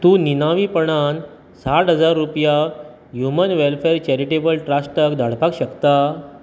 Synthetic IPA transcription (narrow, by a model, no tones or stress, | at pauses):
t̪uːninaʋiːpəɽ̃an | saʈɦəd͡zaɾːupja | ɦjumənʋelfeɾt͡ɕɛɾiʈebəlʈɾasʈəkd̪ʱaɽ̤pakɕəkt̪a